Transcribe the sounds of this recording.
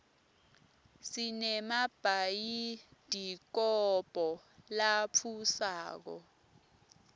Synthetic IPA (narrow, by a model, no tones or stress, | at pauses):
sinɛmab̥ʱajid̥ʱik̬ɔb̥ʱɔlapʰusaːk̬ɔ̰